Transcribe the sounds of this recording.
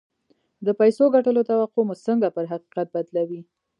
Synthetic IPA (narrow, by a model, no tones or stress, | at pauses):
d̪əpajsoɡaʈəlot̪awaqomusəŋɡapəɾɦaqi̥qat̪̚bad̪lawi